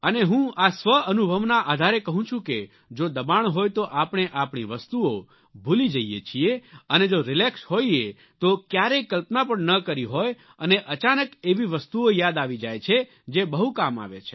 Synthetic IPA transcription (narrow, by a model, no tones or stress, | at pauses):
əneɦũasʋəənubʱəʋnaʔad̪ʱaɾekəɦũt͡ʃʰũke | d͡ʒod̪əbaɳ̃ɦojt̪oʔapɳ̃eʔapɳ̃iʋəst̪uo | bʱulid͡ʒəijḛt͡ʃʰieəned͡ʒoɾɪleksɦoie | t̪okjaɾekəlpnapəɳnəkəɾiɦoj | əneʔət͡ʃanəkeʋiʋəst̪uojad̪aʋid͡ʒajt͡ʃʰe | d͡ʒebəɦukama̰ʋḛt͡ʃʰe̥